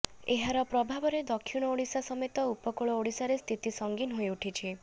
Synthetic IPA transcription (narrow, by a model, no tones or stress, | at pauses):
eɦaɾɔpɾɔbʱabɔɾed̪ɔkʰːjuɽ̃ɔoɽisasɔmet̪ɔupɔkoɭɔoɽisaɾest̪ʰit̪isɔŋɡinɦojuʈʰit͡ʃʰi